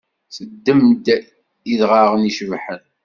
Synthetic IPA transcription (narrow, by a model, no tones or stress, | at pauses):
səd̪ːəmd̪ | iðʁɑʁəniʃəvħən